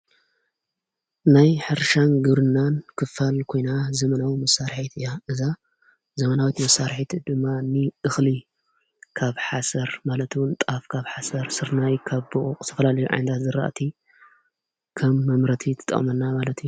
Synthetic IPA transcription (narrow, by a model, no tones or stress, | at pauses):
najħɨɾʃanɡɨβɾɨnːankʰɨfalkʰo̞jnazɐmɐnawimɐsːaɾħit̪ʰɨjaʔɨza | zɐmɐnawit̪mɐsːaɾħit̪ʰd̪ɨmːanɨʔɨxli | kʰaβħasɐɾmalɐt̪wʊnt̪ʼafkʰaβħasɐɾsɨɾnajkʰaβboʔokʼt̪ʰɐfɐlalɐjuʕa̰jnt̪ʰat̪zɨɾa̰ʔt̪ʰi | kʰɐmːɐmɾɐt̪ʰit̪ʰɨ̥t̪ʼɐ̰χʼmɐnːamalɐt̪ju